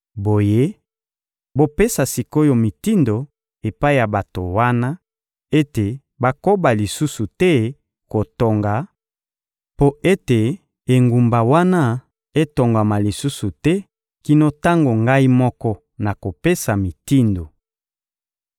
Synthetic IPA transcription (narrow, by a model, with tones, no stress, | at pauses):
bo˨je˦ | bo˨pe˦sa˨si˨ko˦jo˨mi˨ti˦ndo˨ | e˨pa˦i˦ja˨ba˨to˨wa˦na˦ | e˦te˨ | ba˨ko˦ba˨li˨su˦su˨tɛ˦ | ko˨to˨ŋɡa˨ | po˦e˦te˨ | e˨ŋɡu˨mba˨wa˦na˦ | e˦to˨ŋɡa˨ma˨li˨su˦su˨tɛ˦ | ki˨no˦ta˦ŋɡo˨ŋɡa˦i˦mɔ˦kɔ˦ | na˨ko˨pe˦sa˨mi˨ti˦ndo˨